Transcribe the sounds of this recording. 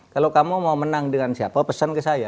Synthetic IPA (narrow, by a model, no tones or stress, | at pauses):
kalokamumaumənaŋdəŋansiapapəsankəsaja